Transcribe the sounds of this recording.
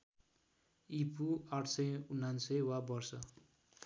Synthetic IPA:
ipʰuaʈʰsʌjunːansʌjwabʌrsʌ

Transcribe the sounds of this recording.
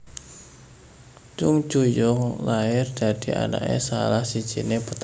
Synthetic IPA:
d͡ʒʊŋ̥d͡ʒujʊŋlaɪrd̪̥a̤d̪̥i̤a̰na̰ʔḛsalahsid̥ʒ̥inepət̪

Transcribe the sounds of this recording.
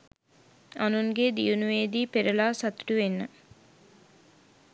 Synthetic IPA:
anuŋɡed̪ijunuʋeːd̪iːpeɾəlaːsat̪u̥ʈuʋenːə

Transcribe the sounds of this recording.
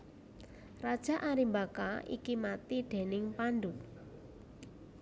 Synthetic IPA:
rad̥ʒ̥a̤ʔaɾimbakaḭkimat̪iɖ̪̥e̤nɪŋpandu

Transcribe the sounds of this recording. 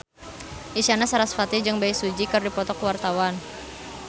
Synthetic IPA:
ʔiʃanasaɾasfat̪id͡ʒɨŋbaisud͡ʒikərdipɔt̪ɔkwart̪awan

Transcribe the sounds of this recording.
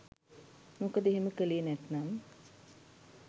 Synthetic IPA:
mukəd̪eɦeməkəleːnɛt̪naːmə

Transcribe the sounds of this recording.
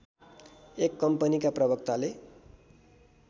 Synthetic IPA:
ekːʌmpənikaprʌbʌk̚t̪ale

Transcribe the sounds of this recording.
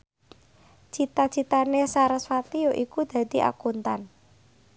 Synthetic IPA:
t͡ʃit̪ḁt͡ʃit̪anesaɾəsfat̪ioʔikud̪̥ä̤d̪̥i̤ʔa̰kunt̪an

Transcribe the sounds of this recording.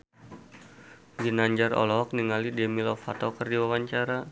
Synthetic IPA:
ɡinaɲd͡ʒaɾɔ̰lɔɦɔk̚niŋalidɛmilɔfat̪ɔkərdiwawaɲt͡ʃaɾa

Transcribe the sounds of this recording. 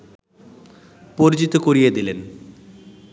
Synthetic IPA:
poɾid͡ʑit̪ːukoɾijɐd̪ilen

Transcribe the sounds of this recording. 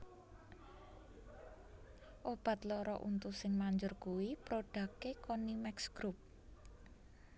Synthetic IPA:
ʔob̥a̤t̪lɔɾɔ̰ʔṵnt̪usɪŋmaɲd͡ʒʊrkuwipɾoɖ̥ä̤kekonimɛksɡ̥ɾup̚

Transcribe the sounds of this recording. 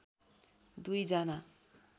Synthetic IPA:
d̪ujd͡zana

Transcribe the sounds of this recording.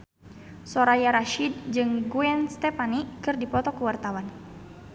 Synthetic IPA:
sɔɾajaɾaʃid̚d͡ʒɨŋɡuɛnst̪ɛpanikɨrdipɔt̪ɔkəwart̪awan

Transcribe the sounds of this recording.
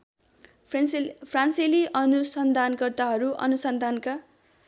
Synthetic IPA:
pʰranseliʔʌnusʌnd̪ʱankʌrt̪aɦʌɾuʔʌ̰nusʌnd̪ʱanka

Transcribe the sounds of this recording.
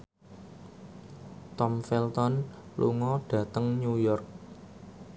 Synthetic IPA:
t̪ɔmfɛlt̪ɔnlṵŋɔɖ̥ä̤t̪əŋɲujɔrk̚

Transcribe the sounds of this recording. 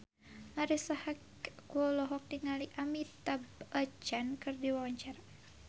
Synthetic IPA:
aɾisahak | kuɔlɔɦɔk̚tiŋaliʔamit̪abət͡ʃankɨrdiwawaɲt͡ʃaɾa

